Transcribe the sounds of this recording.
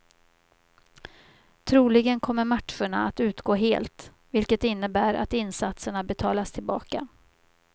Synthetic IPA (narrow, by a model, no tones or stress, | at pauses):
t̪ʰɾuːlɪɡənkʰɔmːəɾmaʈʂəɳa̰at̪ʉ̟ːt̪ɡoːɦeːlt̪ | vɪlkət̪ɪnːəbæːɾʔa̰t̪ɪnsat̪səɳabɛt̪ʰɑːlast̪ʰɪlbɑːka̰